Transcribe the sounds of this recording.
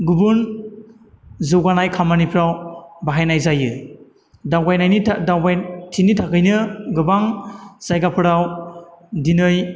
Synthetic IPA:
ɡubun | zɯwɡanajkʰamanipʰɾawbaɦajnajzajɯ | dawɡajnajnitʰdawbajtʰinitʰakʰɯjnɯɡɯbaŋz̥ajɡapʰɯɾaw | dinɯj

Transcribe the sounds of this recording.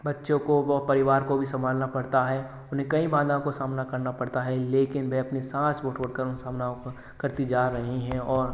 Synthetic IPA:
bɐtːʃõkoʋɔpɐɾɪʋaːɾkobʱisɐ̃mbʱaːlnapɐɽt̪aɦɛ | ʊnɦẽkɐĩbãːd̪ʱaõkosaːmnakɐɾnapɐɽt̪aɦɛleːkɪnbʱɛɐpnisãːsʋoːʈʰoɽkɐɾʊnsaːmna | kɐɾt̪id͡ʒaːɾɐɦiɦɛ̃ɔːɾ

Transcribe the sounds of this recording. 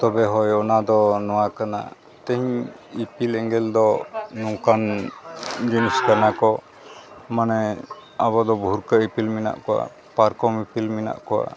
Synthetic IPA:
t̪ɔbɛɦɔjɔnad̪ɔnɔwakana̰ | t̪ɛɦiɲ | ipilɛŋɡɛld̪ɔnuŋkan | d͡ʒiniskanakɔ | manɛabɔd̪ɔbʱuɾkəipilmina̰ʔkɔwa̰ | paɾkɔmipilmina̰ʔkɔwa̰

